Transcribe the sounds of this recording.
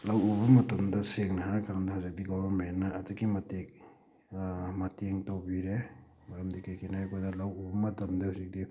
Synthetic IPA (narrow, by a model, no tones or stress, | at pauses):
lawubɐmɐtɐmdɐseŋnɐɦakaŋdɐhazik̚diɡɔbɐɾmenːɐːduɡimɐtek̚ | mɐteŋtawbiɾe | mɐɾɐmdikajkʰinahajkodɐlawubɐmɐtɐmdɐhuzik̚di